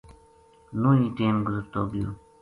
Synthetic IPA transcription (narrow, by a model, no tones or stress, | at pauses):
nũːĩːʈeːmɡʊzəɾt̪oːɡijo̰ː